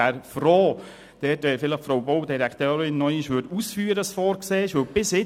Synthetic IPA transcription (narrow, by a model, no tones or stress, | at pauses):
æɾfroː | d̥ɛːtɛfɪləχfɾowbowdiɾɛktøːɾɪnːɔjɪʃʋʏdusfyːɾəəsfoːɾkseːʃʋœwb̥ɪsɪ